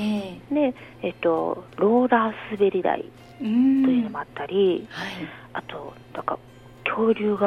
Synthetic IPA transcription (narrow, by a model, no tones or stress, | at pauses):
ene̞ | et̪ːo̞ɾo̞ːɾaːsɨbe̞ɾʲiɾa̰ḭ | t̪o̞jɯːno̞mo̞at̪ːaɾʲihai | at̪o̞ | d̪̥aka̰ | kʲʰo̞ːɾʲɯːɡa